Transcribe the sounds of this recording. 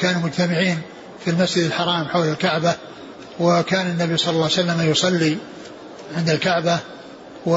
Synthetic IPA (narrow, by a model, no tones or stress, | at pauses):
kaːnumʊd͡ʒt̪amɪʕiːn | filmasd͡ʒɪd̪alħɑɾˤɑːmħawlalkaʕba | wakaːnanːabijsˤɑlːɑlːɑʕwsalːamajʊsˤɑlːi | ʕɪnd̪alkaʕba | wa